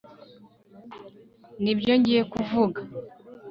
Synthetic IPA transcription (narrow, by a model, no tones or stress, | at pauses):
nibjo̞ɲɟije̞kuvuɡa